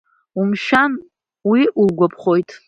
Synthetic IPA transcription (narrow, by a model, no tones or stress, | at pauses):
umʃan | wiʔulɡʷapʰχo̞jtʼ